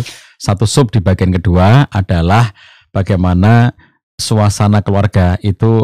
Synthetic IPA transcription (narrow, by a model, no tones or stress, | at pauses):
sat̪usʊp̚d̥i̤b̥a̤ɡ̥ɛnkəd̥uaad̥a̤lah | b̥aɡ̥ajmana | suasanakəluarɡ̥ait̪u